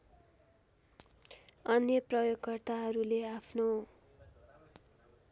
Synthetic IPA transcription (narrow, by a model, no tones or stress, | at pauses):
ʌnjʌprʌjoɡkʌrt̪aɦʌɾuleapʰno